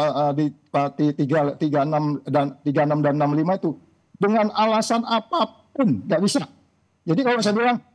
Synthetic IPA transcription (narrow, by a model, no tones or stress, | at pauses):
əədi | pat̪it̪iɡalt̪iɡaənamdant̪iɡaənamdannamlimait̪u | dəŋanalasanapap̚ʊnɡaʔbisa | d͡ʒadikalosajabilaŋ